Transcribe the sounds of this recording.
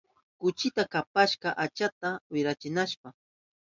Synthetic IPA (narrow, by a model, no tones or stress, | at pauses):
kʊt͡ʃɪt̪akapaʃɢɑʔat͡ʃat̪awɪɾat͡ʃɪnaʃpa